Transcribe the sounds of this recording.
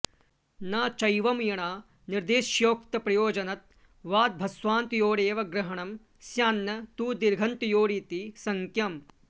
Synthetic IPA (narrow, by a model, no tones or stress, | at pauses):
naːt͡ʃɐjʋɐmjɐɳaː | niɾd̪eːʃjoːkt̪ɐpɾɐjoːd͡ʒɐnɐt̪̚ | ʋaːd̪̚bʱɐsʋaːnt̪joːɽeːʋɐɡɾɐɦɐɳɐm | sjaːnːɐt̪uːd̪iɾɡʱɐnt̪joːɾiːt̪isɐŋkjɐm